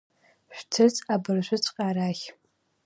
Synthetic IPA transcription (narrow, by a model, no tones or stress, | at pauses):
ɕᶣʷtʰɨt͡sʼabɨrʃʷʊt͡sʷʰʼqʼaːɾaxʲ